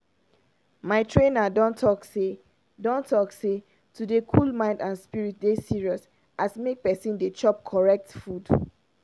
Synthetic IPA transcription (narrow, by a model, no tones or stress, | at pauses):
maɪtʰɹẽnadɔ̃ntʰɔkse | dɔ̃ntʰɔkse | tʰudekʰulmãɪ̃ndãnspiɹit̚desiɹiɔs | ʔasmek̚pɛsĩndet͡ʃɔp̚kʰɔɹɛk̚tfud